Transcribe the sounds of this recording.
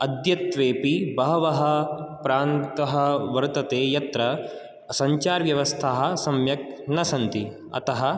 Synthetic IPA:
ɐd̪jɐt̪ʋeːpibɐɦɐʋɐɦɐpɾaːnt̪ɐɦɐʋɐɾt̪ɐt̪eːjɐt̪ɾɐ | sɐɲt͡ʃaːɾʋjɐʋɐst̪ʰaːɦɐ̆sɐmjɐk̚nɐsɐnt̪i | ɐ̰t̪ɐɦɐ

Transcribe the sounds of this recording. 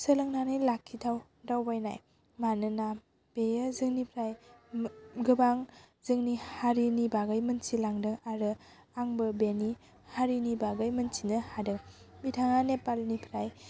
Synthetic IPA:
səlɯŋnanɯjlakʰːitʰaw | dawbajna̰j | manɯna | b̥ejəzɯŋnipʰɾaj | ɡɯbaŋ | zɯŋnihaɾinibaɡajmɯnsilaŋdɯŋaɾɯ | aŋbɯbeni | haɾinibaɡajmɯnsʰinɯhadɯŋ | bitʰaŋanepalnipʰɾaj

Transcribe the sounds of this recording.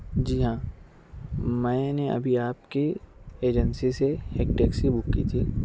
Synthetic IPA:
d͡ʒiːɦãː | mɛ̃ːneɐ̰bʱiaːpkeeːd͡ʒənsiseheːk̚ʈeːksibʊkːḭt̪ʰiː

